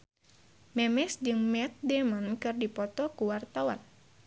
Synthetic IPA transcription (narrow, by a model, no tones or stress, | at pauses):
mɛmɛsd͡ʒɨŋmɛt̪̚demankɨrdipɔt̪ɔkuwart̪awa̰n